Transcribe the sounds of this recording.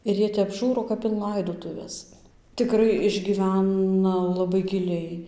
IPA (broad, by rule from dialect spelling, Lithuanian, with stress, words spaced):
ɪr ˈjiɛ tʲɛp ˈʒuːroː kɐp ɪn ˈlˠɐɪdoːtʊʋʲɛs tʲɪˈkrɐɪ ɪʒʲɡʲiːˈʋʲænɐ lˠɐˈbɐɪ ɡʲɪˈlʲɛɪ